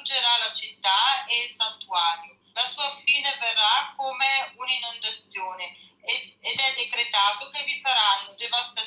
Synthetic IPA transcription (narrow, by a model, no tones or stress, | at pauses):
d͡ʒeɾalat͡ʃit̪ːaeilsant̪uaːɾjo | lasuːafiːneverːakːomeuninːond̪at̪sjoːneː | d̪ɛd̪ːekɾet̪aːt̪okevisaɾanːod̪evast̪a